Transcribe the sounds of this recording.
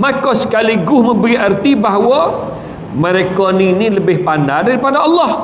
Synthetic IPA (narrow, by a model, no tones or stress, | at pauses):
makɔsə̥kaliɡʊhmə̃bəɾiərt̪ibaɦwɔ | məɾekɔniniləbɪhpandadaɾipadaɑlˠːɑh